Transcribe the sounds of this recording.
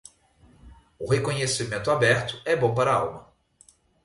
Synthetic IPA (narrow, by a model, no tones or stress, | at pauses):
ʊhekõɲesimẽnt̪ʊabɛɾt̪ʊ̥ɛbõpaɾɐa̰wmɐ